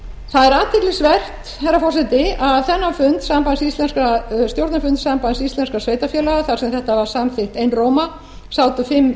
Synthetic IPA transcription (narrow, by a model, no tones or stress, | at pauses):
θaðɛɾaːt̪ʰɪklisvɛr̥t̪ | hajɾːafɔrsɛt̪ɪaðθɛnːafʏnt̪sampansist̪lɛnskast̪jowɾt̪nafʏnt̪sampansist̪ɛnskasveːjt̪afjɛːlaɣaθaɾ̥sɛmθɛht̪avaɾ̥samθɪht̪ejnroːwma | saːwt̪ʏfɪmː